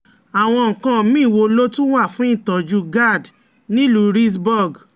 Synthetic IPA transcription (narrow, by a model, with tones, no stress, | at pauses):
a˨w̃ɔ̃˧˨kã˧mĩ˦˨wo˧lo˦tũ˦wa˦˨fũ˨˦ĩ˦˨tɔ˨˦d͡ʒu˧˦ɡa˦˨d | nĩ˦lu˨˦ɾi˦s̬bɔ˦˨ɡ